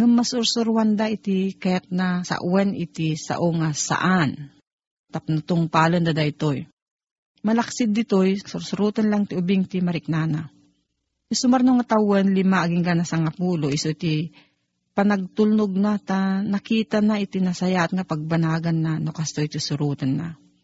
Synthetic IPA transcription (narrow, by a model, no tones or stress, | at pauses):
ŋamːasʊɾsʊɾwand̪aɪt̪ikajat̪̚nasa̰ʔwɛnɪt̪isa̰ʔoŋasa̰ʔan | t̪ap̚nat̪oŋpaːlond̪ad̪ait̪oj | mɐlaksɪd̪ːɪt̪ojsʊɾsʊɾuːt̪anlaŋt̪ɪʊbɪŋt̪imɐɾɪk̚naːna | ɪsʊmaɾnoŋat̪awɛnlɪmaʔːɡɪŋɡanasaŋapuːloʔɪsot̪i | panɐɡ̚t̪ʊlnʊɡ̚nat̪anɐkiːt̪anaʔɪt̪inasajat̪̚ŋapaɡ̚banaːɡanːanokast̪ojt̪isʊɾuːt̪anːa̰